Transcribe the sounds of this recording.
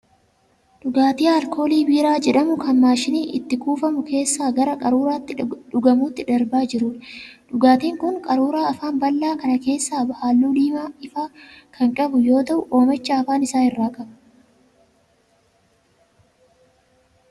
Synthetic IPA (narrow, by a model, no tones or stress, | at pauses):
ᶑʊɡaːt̪iːɐlko̞ːliːbiːɾaːd͡ʒɛᶑɐmʊkʰɐmːaːʃɪniːʔɪ̰t̪ːɪkuːfɐmʊkʰe̞ːsːaːɡɐɾɐkʼɐɾuːɾaːt̪ːɪᶑʊɡɐmuːt̪ːɪᶑ̪ɐɾbaːd͡ʒɪɾʊːᶑᶑʊɡaːt̪iːŋkʊŋkʼɐɾuːɾaːɐfaːmbɐlːaːkɐnɐke̞ːsːaːbɐhalːuːd̪iːmaːɪfaːkʰɐŋkʼɐbʊjo̞ːt̪ɐʔʊʔo̞ːmɛt͡ʃːɐːfaːnɪsaːhɪrːaːkʼɐbɐ̥